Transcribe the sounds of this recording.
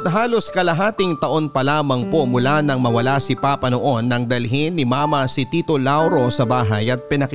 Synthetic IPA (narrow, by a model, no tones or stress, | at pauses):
t̪ɦaːlo̞skɐlɐɦaːt̪ɪŋt̪ɐʔo̞npɐlaːmɐŋpo̞mʊlanɐŋmɐwɐlasɪpapɐnoʔo̞nːɐŋd̪ɐlɦɪnːɪmaːmɐsɪt̪iːt̪o̞lawɾo̞sɐbaːɦɐjɐt̪̚pɪnɐk